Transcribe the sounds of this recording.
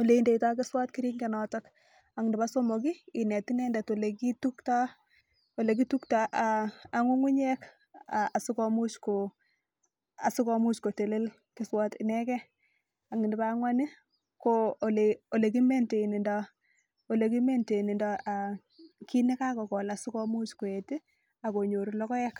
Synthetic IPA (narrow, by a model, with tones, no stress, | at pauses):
o˨le˨inde˨ita˦kɪswa˦t̚ki˦ɾi˦ŋɡe˨nɔtɔk | a˨ŋɪndɪ˨ba˦so˦mo˨ki˦ɪ˨nɛ˨ti˦nɛndɛ˨to˨le˨kitu˦kta˦ | o˨le˨k̬itukta˨ʔaa˨ŋu˦ŋu˦ɲɛ˦k | a˨a˨sɪ˦kɔ˨mu˦t͡ʃko˨ | a˨sɪ˦kɔ˨mu˦t͡ʃko˨te˨le˦l | ki˨˦swɔ˦tḭ˨nɛ˦kɛ˦ | a˨ŋɪ˨nba˦ŋwa˦ni˦ | ko˦˨le˨o˨le˨k̬i˦me˦nte˨i˨ni˨ndɔ˦ | o˨le˨ki˦me˦nte˨i˨ni˨ndɔ˦a˨ | ki˦ne˦ka˦kɔ˨kɔ˨la˨si˦kɔ˦mu˦t͡ʃko˨e˨ti˦ | a˨ko˨ɲo˨ɾu˨lɔ˦kɔ˦jɛ˦k